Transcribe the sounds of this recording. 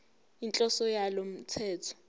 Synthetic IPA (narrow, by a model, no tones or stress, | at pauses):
int͡ɬʼɔsɔjalom̩t͡sʰɛːtʰɔ̥